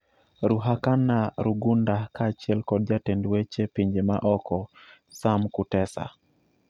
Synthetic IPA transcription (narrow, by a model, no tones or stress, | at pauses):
ɾuɦakanːaɾuɡundakat͡ʃiɛlkɔd̚d͡ʒatendwet͡ʃepiɲd͡ʒema̰ʔɔkɔsamkutɛsa̰